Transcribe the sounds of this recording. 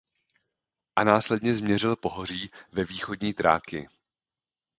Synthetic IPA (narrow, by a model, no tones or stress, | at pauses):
ʔanaːslɛdɲɛzmɲɛrɪlpo̞ɦo̞r̝iːvɛviːxo̞dɲiːt̪ɾa̰ːkɪ̰